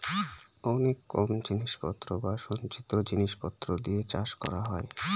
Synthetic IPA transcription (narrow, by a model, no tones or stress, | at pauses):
ɔnekːɔmd͡ʑiniʃpɔt̪ːɾobaʃont͡ɕit̪ːɾod͡ʑiniʃpɔt̪ːɾod̪iet͡ɕaʃkɔ̰ɾaɦɔe